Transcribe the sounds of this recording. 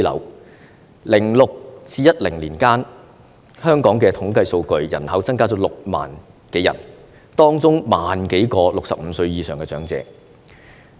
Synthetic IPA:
lɐ̰˨˩w | lɪ˨˩ŋlʊ˨k̚t͡siː˧jɐ˥t̚lɪ˨˩ŋliː˨˩nkaː˥n | hœː˥ŋkɔː˨˥ŋkɛː˧t̪ʰʊ˨˥ŋkɐ˧jso˧wkɵ˧ɥjɐ̰˨˩nhɐ˨˥wt͡sɐ˥ŋkaː˥t͡sɔː˨˥lʊ˨k̚ma̰ː˨˩n | ke˨˥jɐ̰˨˩n | t̪ɔː˥ŋt͡sʊ˥ŋmaː˨nke˨˥jkɔː˧lʊ˨k̚sɐ̰˨p̚m̩˨˧sɵ˧ɥjiː˧sœː˨ŋkɛː˧t͡ʃœː˨˥ŋt͡sɛ̰ː˧

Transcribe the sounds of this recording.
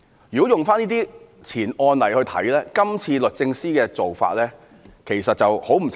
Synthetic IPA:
jy˨ko˨˥wjʊ˨ŋfaː˥niː˥t̪iː˥ | t͡sʰiː˨˩nɔː˧nlɐ˨˩jhɵ˧ɥt̪ʰɐ̰˨˥jlɛː˥kɐ˥mt͡sʰiː˧lɵ˨t̚t͡sɪ˧ŋsiː˥kɛː˧t͡so˨wfa̰ː˧t̚lɛː˥ | kʰe˨˩jsɐ˨t̚t͡sɐ˨who˨˥wm̩ʰ˨˩

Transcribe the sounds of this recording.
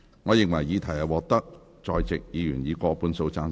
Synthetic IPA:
ŋɔː˨˧jɪ˨ŋwɐ˨˩jːiː˨˧t̪ʰɐ˨˩jɐ˨wɔː˨k̚t̪ɐ˥k̚ | t͡ʃɔː˨˧jt͡sɪ˨k̚jiː˨˧jyː˨˩njiː˨˧kɔː˧puː˧nso˧wt͡saː˧n

